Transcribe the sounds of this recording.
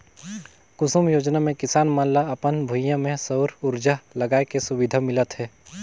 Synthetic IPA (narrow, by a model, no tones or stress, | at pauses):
kʊsumjoːd͡ʒnamẽkɪsaːnmaːllaɐpənbʱʊjjãmẽsəwɾʊɾd͡ʒalɐɡaːekesʊʋɪd̪ʱamɪlət̪ɦɛː